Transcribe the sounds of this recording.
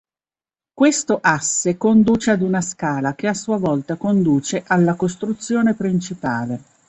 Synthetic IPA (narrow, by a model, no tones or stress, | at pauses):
kwest̪oʔasːekond̪uːt͡ʃead̪unaskaːlakeasuavɔlt̪akond̪uːt͡ʃeʔalːakost̪ɾut̪sːjoːnepɾint͡ʃipaːle